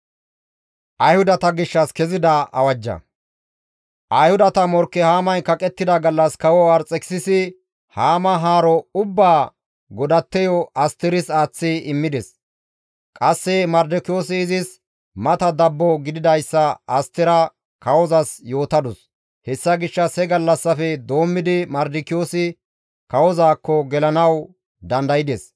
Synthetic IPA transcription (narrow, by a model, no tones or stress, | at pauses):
ʔɐjhʊd̪ɐt̪ɐɡɪʃːɐskɛzɪd̪ɐʔɐ̰wɐd͡ʒːɐ̰ | ʔɐjhʊd̪ɐt̪ɐmɔɾkːɛhaːmɐjkɐkʼɛt̪ːɪd̪ɐɡɐlːɐskɐwɔɐɾt͡sʼɛkɪ̥sɪsɪ | haːmɐɦaːɾɔʊbːaː | ɡɔd̪ɐt̪ːɛjɔɐst̪ɪɾɪsaːt͡sːɪɪmːɪd̪ɛs | kʼɐsːɛmɐɾd̪ɪkɪjoːsɪːzɪs | mɐt̪ɐd̪ɐbːɔɡɪd̪ɪd̪ɐjsːɐɐst̪ːɪɾɐ | kɐwɔzɐsjo̞ːt̪ɐd̪ɔs | hɛsːɐɡɪʃːɐsɛɡɐlːɐsːɐfɛd̪o̞ːmːɪd̪ɪmɐɾd̪ɪkɪjo̞ːsɪ | kɐwɔzaːkːɔɡɛlɐnɐw | d̪ɐnd̪ɐjɪd̪ɛs